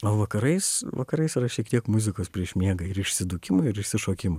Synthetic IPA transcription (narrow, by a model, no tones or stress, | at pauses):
oːʋɐkɐɾɐɪsʋɐ̰kɐɾɐɪsɪɾɐʃʲiɛkt̪ʲiɛkmʊzʲɪkoːspʲɾʲiɛʃmʲiɛɡɐɪɾɪʃʲsʲɪd̪uːkʲɪmoɪɾɪʃʲsʲɪʃoːkʲɪmɐ